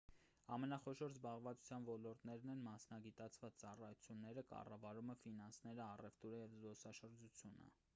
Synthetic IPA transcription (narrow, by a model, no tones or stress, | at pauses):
ɑmɛnɑχɔʃɔɾzbɑʁvɑt͡su̥t͡sʰjɑnvɔlɔɾt̪nɛɾnɛnmɑsnɑɡit̪ɑt͡sʰvɑt͡st͡sɑrɑjut͡sʰjunːɛɾəkɑ̰rɑvɑɾuməfinɑnsnɛɾəɑrɛft̪uɾəjɛvzɡɔsɑʃəɾd͡ʒut͡sʰjunə̰